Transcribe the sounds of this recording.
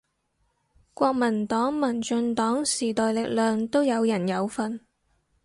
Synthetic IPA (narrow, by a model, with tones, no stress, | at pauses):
kʷɔː˧k̚mɐ˨˩nt̪ɔː˨˥ŋmɐ˨˩nt͡ʃɵ˧nt̪ɔː˨˥ŋsiː˨˩t̪ɔː˨jlɪ˨k̚lœː˨ŋt̪o˥wjɐ˨˧wjɐ˨˩njɐ˨˧wfɐ˧n